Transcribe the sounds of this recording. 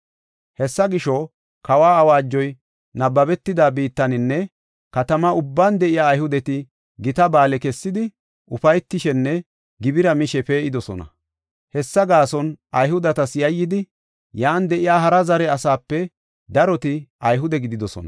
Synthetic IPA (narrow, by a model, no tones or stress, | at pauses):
hɛsːɐɡɪʃɔ | kɐwaːɐwaːd͡ʒːɔj | nɐbːɐbɛt̪ːɪd̪aːbiːt̪ːɐnɪnːɛ | kɐt̪ɐmɐʊbːaːnd̪ɛʔɪjaːjhʊd̪ɛt̪ɪ | ɡɪt̪ɐbaːlɛkɛsːɪd̪ɪ | ʔʊfɐjt̪ːɪʃɛnːɛ | ɡɪbɪɾɐmɪʃɛpe̞ːʔɪd̪ɔsɔ̰nɐ̰ | hɛsːɐɡaːsɔnɐjhʊd̪ɐt̪ɐsjɐjːɪd̪ɪ | jaːnd̪ɛʔɪjaːɦɐɾɐzɐɾɛɐsaːpːɛ | d̪ɐɾɔt̪ɪʔɐjɦʊd̪ɛɡɪd̪ɪd̪ɔsɔ̰nɐ